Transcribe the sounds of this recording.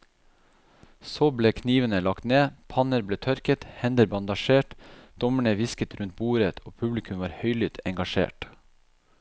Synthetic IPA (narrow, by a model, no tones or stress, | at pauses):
soːbleːkʰniːʋənəlɑkt̪neːpʰɑnəɾbleːt̪ʰœɾkət̪hɛnd̪əɾbɑnd̪ɑʃeːʈd̪̥ɔməɳəʋɪskət̪ɾʉnt̪̚buːɾət̪ʰoːpʰʉblɪkʰʉmʋɑːɾhœʏlʏt̪ʰɛ̰ŋɡɑʃḛːʈ